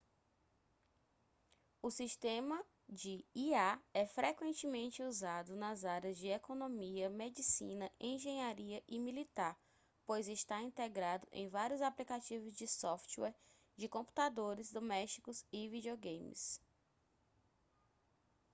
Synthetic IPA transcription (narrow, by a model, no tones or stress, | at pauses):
ʊsiʃt̪ẽmɐ | d͡ʒɪiaɛfɾʔekwẽnt͡ʃɪmẽnt͡ʃɪuzad̪ʊnɐzaɾjɐzd͡ʒɪekõnõmiɐmed͡ʒisḭ̃nɐʔẽʒẽɲaɾiɐʔɪmilit̪aɾ | pojzɪʃt̪aĩnt̪eɡɾad̪ʊʔḛ̃j̃vaɾjʊzaplikat͡ʃivʊzd͡ʒɪsɔft͡ʃwɛɾ | d͡ʒɪkõmpu̥t̪ad̪oɾɪzd̪omɛʃt͡ʃi̥kʊzɪvid͡ʒioɡẽjmɪ̰s